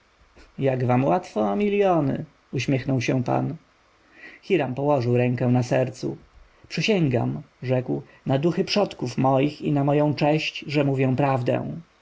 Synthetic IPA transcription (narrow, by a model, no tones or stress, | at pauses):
jaɡvamwat̪fɔmʲilʲjɔnɘ̰ | uɕmʲjɛxnɔwɕɛ̃pa̰n | xʲiɾampɔwɔʐɘwɾɛ̃ŋkɛ̃w̃nasɛɾt̪sṵ | pʂɘɕɛŋɡa̰m | ʐɛkw | nad̪uxɘpʂɔt̪kufmɔjixinamɔjɔ̃w̃t͡ʂɛɕt͡ɕʐɛmuvʲjɛw̃pɾavd̪ɛ̰̃w̃